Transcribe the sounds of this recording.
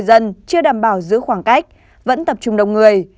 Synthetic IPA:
jzə˧nt͡ɕɨ˧əɗaː˨˩mɓaː˧˩wzɨ̰˧˥xwaː˧˩ŋka˦˥jk̚ | və̰˧˥nt̪ə˨˩p̚t͡ɕʊ˨˧ŋ͡mɗə̰˨wŋ͡mŋɨ˨˩əj

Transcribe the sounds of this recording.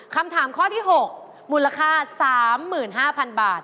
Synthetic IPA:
kʰa˧mt̪ʰaː˩˦mkʰɔː˥˩t̪ʰiː˥˩ɦo˨˩k̚ | mu˨˩la˧kʰaː˥˩saː˩˦mːɯː˨˩nɦaː˥˩pʰa˧nbaː˨˩t̪̚

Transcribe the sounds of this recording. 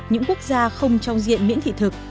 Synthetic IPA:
ɲɨ̰˧˥ŋku˦˥ək̚zaː˧xə˧wŋ͡mt͡ɕɔ˧wŋ͡mzḭ˧˨ənmḭ˧˥nt̪ḭ˧˨t̪ʰɨ˨˩k̚

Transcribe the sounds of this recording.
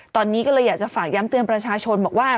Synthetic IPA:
t̪ɔː˧nːiː˦˥kɔː˥˩lɤː˧jaː˨˩k̚t͡ɕa˨˩faː˨˩k̚ja˦˥mt̪ɯ˧ənpɾa˧t͡ɕʰaː˧t͡ɕʰo˧nbɔː˨˩k̚waː˥˩

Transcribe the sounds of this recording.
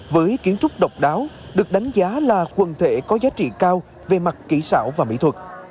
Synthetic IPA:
vəː˨˦jki˨˦ənt͡ɕʊ˦˥k͡p̚ɗə˨˩wk͡p̚ɗaː˨˦wɗɨ˨˩ək̚ɗa˨˦jŋ̟zaː˨˦laː˨˩kwə˨˩nt̪ʰe˧˩kɔ˨˦zaː˨˦t͡ɕḭ˧˨kaː˧w | ve˨˩ma˨˩t̚kḭ˧˩sa̰ː˧˩wvaː˨˩mḭ˧˥t̪ʰwə˨˩k̚

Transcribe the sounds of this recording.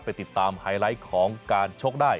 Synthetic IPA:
pa˧jt̪i˨˩t̪ːaː˧mhaː˧jla˦˥kʰɔː˩˦ŋkaː˧nt͡ɕʰo˦˥k̚daː˥˩j

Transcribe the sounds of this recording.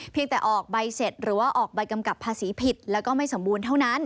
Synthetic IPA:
pʰi˧ŋt̪ɛː˨˩ʔɔː˨˩k̚ba˧jse˨˩t̪̚ɾɯː˩˦waː˥˩ʔɔː˨˩k̚ba˧jka˧mka˨˩pʰːaː˧siː˩˦pʰi˨˩t̪̚lɛː˦˥wkɔː˥˩ma˥˩jso˩˦mbuː˧nt̪ʰa˥˩wna˦˥n

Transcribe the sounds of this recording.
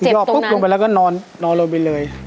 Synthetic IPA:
jɔː˥˩pu˦˥p̚jo˧ŋbɛ˨˩˨laː˧˩kɔ˥˩˨nɔː˧nːɔː˧nlo˧pa˧jlɤː˧j

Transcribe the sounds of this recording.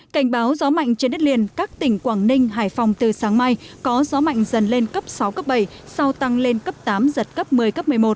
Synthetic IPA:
ka˧˩jŋ̟ɓaː˨˦wzɔ˨˦ma̰˧˨jŋ̟t͡ɕe˧nɗt̚li˧ənkaː˦˥k̚t̪ï˨˩ŋ̟kwaː˧˩ŋnï˧ŋ̟ɦaː˧˩jfa˧wŋ͡mt̪ɨ˨˩saː˨˦ŋma˧jkɔ˨˦zɔ˨˦ma̰˧˨jŋ̟zə˨˩nle˧nkə˦˥p̚sa˨˦wkə˦˥p̚ɓə˧˩jsa˧wt̪a˧ŋle˧nkə˦˥p̚t̪aː˨˦mzə˨˩t̚kə˦˥p̚mɨ˨˩əjkə˦˥p̚mɨ˨˩əjmo˨˩t̚

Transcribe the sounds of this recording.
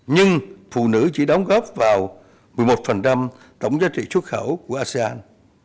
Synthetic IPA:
ɲɨ˧ŋfṵ˧˨nɨ̰˧˥t͡ɕi˧˩ɗə˨˦wŋ͡mɣɔ˦˥p̚vaː˨˩w | mɨ˨˩əjmo˨˩t̚fə˨˩nt͡ɕa˧m | t̪ə˧˩wŋ͡mzaː˨˦˥t͡ɕḭ˧˨su˦˥t̚xə˧˩wku˧˩əʔaː˧se˧aː˧n

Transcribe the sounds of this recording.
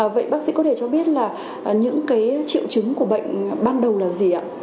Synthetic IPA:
və̰˧˨jɓaː˦˥k̚sḭ˧˥kɔ˨˦t̪ʰe˧˩t͡ɕɔ˧ɓi˦˥ət̚laː˨˩˨ | ɲɨ̰˧˥ŋkaː˨˦jt͡ɕḭ˧˨əwt͡ɕɨ˨˦ŋku˧˩əɓə̰˧˨jŋ̟ɓaː˧nɗə˨˩wlaː˨˩zi˨˩ʔa̰ː˧˨

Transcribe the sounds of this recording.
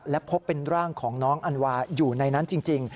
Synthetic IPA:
lɛ˦˥pʰo˦˥pːe˧nɾaː˥˩ŋkʰɔː˩˦ŋnɔː˦˥ŋʔa˧nwaː˧juː˨˩na˧jna˦˥nt͡ɕi˧ŋt͡ɕi˧ŋ

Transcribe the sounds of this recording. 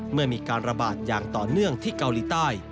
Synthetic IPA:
mɯ˥˩ɐmiː˧kaː˧nɾa˧baː˨˩t̪̚jaː˨˩ŋt̪ɔː˨˩nɯ˥˩əŋt̪ʰiː˥˩ka˧wliː˨˩˦t̪aː˥˩j

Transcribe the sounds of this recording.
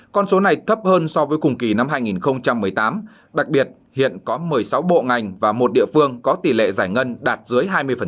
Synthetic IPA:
kɔ˧nso˨˦na˨˩jt̪ʰə˦˥p̚həː˧nsɔ˧vəː˨˦jkʊ˨˩ŋ͡mki˨˩na˧mɦaː˧jŋi˨˩nxə˧wŋ͡mt͡ɕa˧mːɨ˨˩əjt̪aː˨˦m | ɗa˨˩k̚ɓi˨˩ət̚ | hḭ˧˨ənkɔ˨˦mɨ˨˩əjsa˨˦wɓo̰˧˨ŋa˨˩jŋ̟vaː˨˩mo˨˩t̚ɗḭ˧˨əfɨ˧əŋkɔ˨˦t̪i˧˩lḛ˧˨zaː˧˩jŋə˧nɗaː˨˩t̚zɨ˨˦əjɦaː˧jmɨ˧əjfə˨˩

